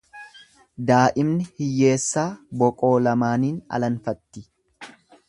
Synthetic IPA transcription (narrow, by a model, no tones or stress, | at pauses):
d̪aːʔɪmnɪhɪjːe̞ːsːaːbɔkʼo̞ːlɐmaːniːnɐ̰lɐnfɐt̪ːɪ